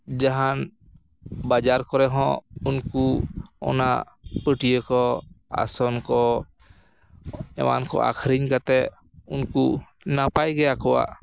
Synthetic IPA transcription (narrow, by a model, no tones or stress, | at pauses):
d͡ʒaɦan | bad͡ʒaɾkɔɾɛɦɔ̃unkuɔ̰na | pəʈijəkɔa̰sɔnkɔ | ɛ̰ma̰nkɔ̰ʔa̰kʰɾiɲkat̪ɛ | unku | napajɡɛakɔwa̰ʔ